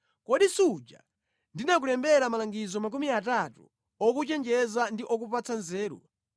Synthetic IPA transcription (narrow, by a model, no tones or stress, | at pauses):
kɔɗisud͡ʒa̰ | ndinak̬ulɛmbɛɾamalaŋɡizɔmak̬umiatatṵ | ɔk̬ut͡ʃɛnd͡ʒɛzandiʔɔk̬upat͡sʰanzɛːɾṵ